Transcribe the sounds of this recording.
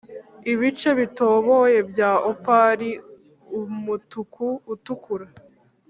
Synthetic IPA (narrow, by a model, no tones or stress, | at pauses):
iβit͡ʃe̞βito̞ːβoje̞bjaːʔopaɾi | umutukʰuːtukuɾa